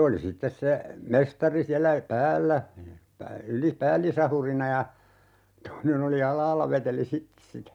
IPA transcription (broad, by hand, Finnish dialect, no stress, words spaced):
oli sitːes se mestɑri siælːæ pæːlːæ yli pæːlːisɑhurinɑ jɑ toinen oli ɑlˑɑːlːɑ ʋeteli sitːĕ sitæ